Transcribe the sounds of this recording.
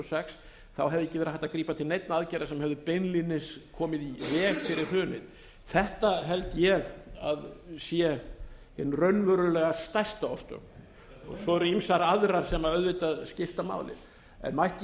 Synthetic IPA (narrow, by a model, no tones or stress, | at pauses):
ɔsɛks | θawɦɛvðɪɛcːɪvɛːɾahaht̪aðkɾiːpat̪ʰɪlnejt̪naaðcajɾasɛmhɛvðʏpejnlinɪskʰɔːmɪðivɛːɣfɪɾɪɾ̥hœːnɪð | θɛht̪aɦɛlt̪jɛɣa̰ðsjɛhɪnːrœɥnvœɾʏlɛːɣast̪ajst̪aɔwst̪œ̰ | ɔ̰ɣsɔɛɾʏimsaɾaðɾaɾ̥sɛmaœðvɪt̪aðscɪft̪ama̰ːwlɪ̰ð | ɛ̰nmajhc